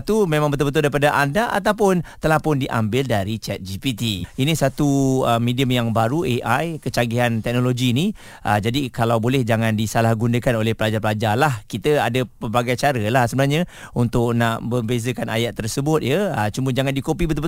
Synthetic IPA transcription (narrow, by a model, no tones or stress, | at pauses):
t̪umẽmaŋbət̪ʊlbət̪ʊldaɾipadaʔandaʔa̰t̪̬awpʊnt̪əlahpʊndiʔa̰mbɪldaɾit͡ʃɛt̪̚d͡ʒipit̪iinisat̪uəmediəmjaŋbaɾueʔajkət͡ʃaɡiɦant̪ɛk̚noloɡini | ʔəd͡ʒadikalawbolɛhd͡ʒaŋandisalahɡundəkanolɛhpəlad͡ʒapəlad͡ʒarlahkit̪əadəpərbaɡajt͡ʃaɾəlahsəbənaɾɲə̃unt̪ʊk̚naʔbəbezəkana̰jaʔt̪ərsəbʊt̪̚jəət͡ʃuməd͡ʒaŋandikopibət̪ʊlbə